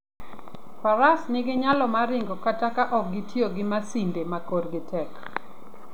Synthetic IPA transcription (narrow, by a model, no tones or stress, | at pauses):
paɾasnɪɡɪɲalɔmaɾɪŋɡɔkatakaʔɔk̚ɡɪtjoɡɪmasindemakoɾɡɪtɛk